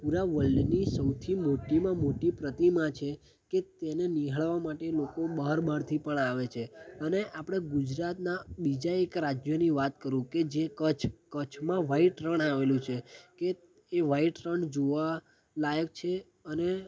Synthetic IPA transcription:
puɾaʋəlɖnisəwt̪ʰimoʈimãmoʈipɾət̪imãt͡ʃʰe | ket̪eneniɦəɭʋamaʈelokobəɦəɾbʱaɾt̪ʰipəɳaʋet͡ʃʰeəneʔapɽ̃eɡud͡ʒɾat̪nabid͡ʒaekɾad͡ʒjoniʋat̪kəɾũked͡ʒekət͡ʃʰkət͡ʃʰmãʋaiʈɾəɳaʋelũt͡ʃʰeke | eʋaiʈɾəɳd͡ʒoʋa | lajək̚t͡ʃʰe | əne

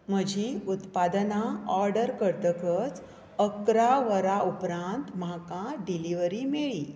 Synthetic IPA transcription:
m̤əd͡ʑʱiut̪pad̪naɔɾɖəɾkəɾt̪əkət͡s | əkɾaʋəɾaupɾãnt̪makãɖiliʋəɾimeɭi

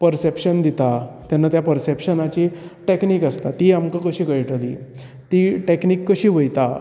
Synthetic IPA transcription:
pəɾsepɕənd̪it̪at̪janːat̪japəɾsepɕənat͡ɕiʈekniːkəst̪at̪iamkəkəɕiːkəjʈəlḭː | t̪iːʈeknikːəɕiːʋəjt̪a

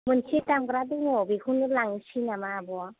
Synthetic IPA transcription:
mɯnsʰitamɡɾadɯŋɔbekʰunɯlaŋsinamabɔa

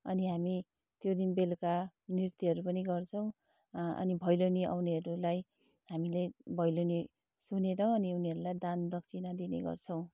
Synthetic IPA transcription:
ʌniɦami | t̪jod̪inbelkanirt̪iɦʌɾupʌniɡʌrt͡sʰʌw̃ | ʌ̰nibʱʌjloniʔa̰wniɦʌɾulaj | ɦamilebʱʌjloni | suneɾʌ̃ʌniuniʌɾulajd̪and̪ʌk̚t͡sʰinʌd̪inḛɡʌ̰rt͡sʰʌw̃

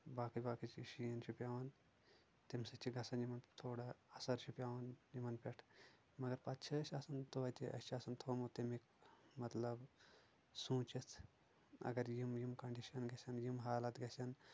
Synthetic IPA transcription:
baːkɐbaːkit͡ʃiʃiɐnʃʰupʲjaːʋɐn | t̪imsɐt͡ʃiɡɐsɐnjimɐnt̪ʰoːɽaɐsɐɾʃupʲjaːʋɐnjimɐnpʲeʈʰ | mɐɡɐɾpɐt̪t͡ʃʰɐʃaːsɐnt̪oʋɐt̪ʲiʔɐ̰sʲt͡ʃaːsɐnt̪ʰoːmot̪imik̚mɐt̪lɐb | sũːt͡ʃit̪ʰ | ɐ̰ɡɐɾjimjimkɐɳɖiʃɐnɡɐsʲɐnjimɦaːlɐt̪ɡʲɐsʲɐn

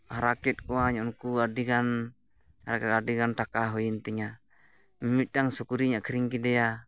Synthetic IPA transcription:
haɾakɛt̪̚kuaɲɔŋkuadiɡan | haɾakɛt̪adiɡantakaɦɔint̪iɲa | mmit̪̚daŋsɔkuɾiɲakɾiŋkidɛa

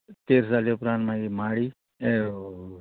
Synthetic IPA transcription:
t̪eːɾd͡zaljopɾãːnʈmãɡimaːɽiː | e

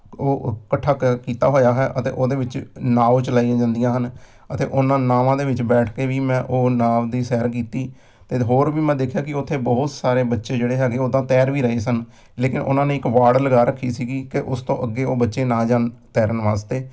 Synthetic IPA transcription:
oːkəʈʰːaːkkiːt̪a̰ːɦoːjaːɦɛːʔət̪ḛːʔoːd̪eːʋɪt͡ʃnaːwt͡ʃəlaːijãːd͡ʒãːnd̪ijãːɦən | ət̪ḛːʔʊnːãːnaːʋãːd̪eːʋɪt͡ʃbɛːʈʰkeːʋiːmɛ̃ːʔoːnaːmd̪iːsɛːəɾk̬iːt̪iː | t̪eːɦoːɾʋiːmɛ̃ːd̪eːkʰːjaːkɪʊt̪ʰːeːbɔɦʊt̪saːɾeːbətːʃeːd͡ʒeːɽeːɦɛːɡeːoːd̪ãːt̪ɛːɾʋiːɾəɦeːsən | leːkɪnʔʊ̰nãːneːɪkʋaːɽləɡaːɾəkʰːiːsiːɡiːkeʔʊst̪õːʔəɡːeːoːbətːʃeːnãːd͡ʒaːnt̪ɛːɾnʋaːst̪eː

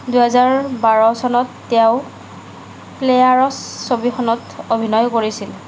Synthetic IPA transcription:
duɦɛzaɹbaɹɔsɔnɔtːjaʊ | plejaɹɔsːobixɔnɔtobʱinɔjkoɹisil

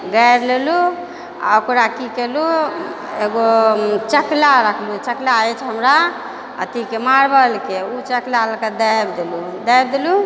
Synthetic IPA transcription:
ɡajɾlelu | a̰okɾakikelu | eɡot͡ʃəklaɾəkʰlut͡ʃəklaɛt͡ʃʰɦəmɾa | ə̰t̪ikemaɾbəlkeut͡ʃəklalked̪əjbd̪elud̪əjbd̪elu

